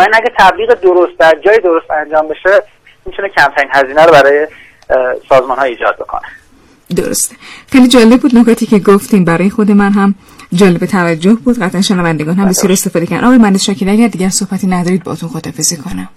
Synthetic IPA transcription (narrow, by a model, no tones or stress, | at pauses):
væinæɟæɾt̪ʰæbliːɣed̪oɾost̪̚d̪æɾd͡ʒɒːjid̪oɾost̪ænd͡ʒɒːmbe̞ʃe | mit̪ʰunecʰæmt̪ʰæɾiːnhæziːnæɾobæɾɒːje | sɒːzmɒnhɒiːd͡ʒɒ̰ːd̪̚bo̞̰kʰo̰ne | d̪o̰ɾo̰st̪exejliːd͡ʒɒːle̞b̚bːuːd̪no̞kʰɒːt̪ʰiːcʰe̞ɡoft̪iːmbæɾɒːjexo̞d̪e̞mænɦæm | d͡ʒɒːle̞bet̪ʰævæd͡ʒːohbuːd̪ɢæt̪ʔænʃenævænd̪eɡɒːnhæmbe̞sjɒːɾe̞st̪efɒːd̪ecæɾd̪ʔɒːɣːjemænesʃɒːcʰinæcæɾd̪d̪iːɟæɾso̞hbæt̪ʰiːnæd̪ɒːɾiːd̪̚bɒ̰ʔːt̪ʰunxot̪ʰɒfezekʰonæm